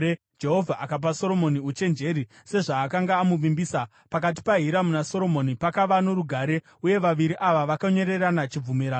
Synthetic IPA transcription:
d͡ʒe̞ɦo̞vʱaʔakap̬aso̞ɾo̞mo̞niut͡ʃe̞nd͡ʒe̞ɾi | se̞ʐaːkaŋɡaːmuʋimbiːsa | pak̬at̬i̥paɦiɾamunaso̞ɾo̞mo̞nipakaʋanoɾuɡʱaɾe̞ | uje̞ʋaʋiɾiʔaʋaʋakaɲo̞ɾe̞ranat͡ʃib͡vumiɾa

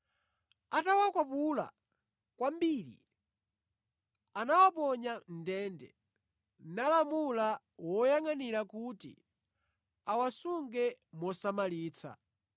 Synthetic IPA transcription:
atawakwapula̰ | kwambiɾḭ | anawapɔɲandɛːndɛ̰ | nalamula | wɔjaŋaniɾakuːtḭ | awasuŋɡɛmɔsamaliːt͡sʰa̰

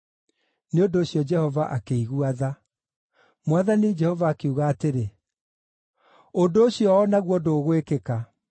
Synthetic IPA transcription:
neondoːɕjɔd͡ʒɛhɔvaʔakeiɣuaða | mwaðanid͡ʒɛhɔvaːkeuɣaːteɾe | ondoːɕjɔːnaɣwɔdoːɣwekeka

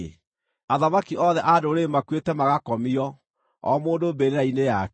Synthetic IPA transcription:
aðamakiɔːðɛʔadoɾemakwetɛmaɣakɔmiɔ | ɔ̰moːndobeɾeɾaineja

